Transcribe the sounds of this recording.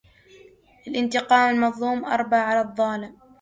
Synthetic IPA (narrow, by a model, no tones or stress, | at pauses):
ʔalʔɪnt̪ɪqɑːmalmɑðˤluːmʔɑ̰ɾˤbaʕʕalaðˤːɑːlɪm